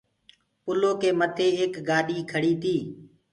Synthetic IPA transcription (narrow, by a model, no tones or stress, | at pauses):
pʊloːkeːmət̪ʰeːeːkɡaːɗiːkʰəɽiːt̪ʰiː